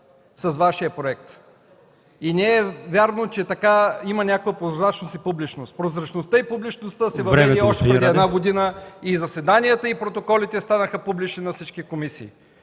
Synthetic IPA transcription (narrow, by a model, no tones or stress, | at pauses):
sɐzvaʃiəpɾoɛkt̪ | inɛɛvʲjaɾnot͡ʃɛt̪ɐkaimənʲakovəpɾozɾat͡ʃnosipublit͡ʃnost̪pɾozɾɐt͡ʃnost̪əipublit͡ʃnost̪əsɛvɐvɛd̪iɔʃt̪ɛpɾɛd̪iɛd̪naɡod̪inəizɐsɛd̪anijət̪əipɾot̪okɔlit̪ɛst̪anəxəpublit͡ʃninɐfsit͡ʃk̟ikomisḭː